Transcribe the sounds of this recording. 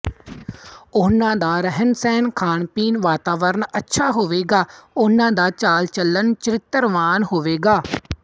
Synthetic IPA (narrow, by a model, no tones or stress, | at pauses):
ʊnãːd̪aːɾəɦənsɛːnkʰaːɳpiːnʋaːt̪aːʋəɾənətːʃʰaːɦoːʋeːɡaːʊnãːd̪aːt͡ʃaːlt͡ʃəlːənt͡ʃəɾɪt̪ːəɾʋaːnɦoːʋeːɡaː